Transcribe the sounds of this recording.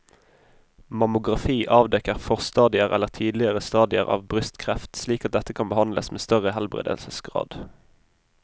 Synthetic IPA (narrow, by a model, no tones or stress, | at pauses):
mɑmʊɡʁɑfiːʔɑːʋd̪ɛkəʁfɔʁst̪ɑːd̪ɪəʁɛ̰lːəʁt̪ʰiːd̪lɪəʁəst̪ɑːd̪ɪə̰ʁɑ̰ːʋbʁʏst̪kʰʁɛft̪sliːkɑt̪̚d̪ɛt̪əkʰɑnbəhɑnd̪lə̰smeːst̪œʁəhɛlbʁḛːd̪ə̰lsəsɡʁɑ̰ːd̪̥